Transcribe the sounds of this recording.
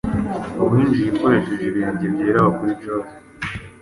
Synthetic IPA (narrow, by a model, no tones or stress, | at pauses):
aβiːnd͡ʒijikoɾe̞ʃeʒeβiːɲɟiβjeːɾaβakuɾibɟoːse̥